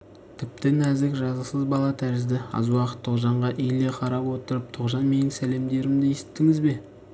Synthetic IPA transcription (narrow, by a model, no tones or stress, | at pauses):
t̪ʰɪp̚t̪ɪnæzɪkʒɑzəsəzbɑlˠɑt̪ʰæɾɪzd̪ɪɑ̰zwɑqə̥t̪ʰːoqʒɑɴʁɑʔijle̞qʰɑɾɑpwo̞t̪əɾəp̚t̪ʰoqʒɑnme̞nɪŋsæle̞md̪e̞ɾɪmd̪ɪjesɪ̥t̪ːɪŋɪzbe̞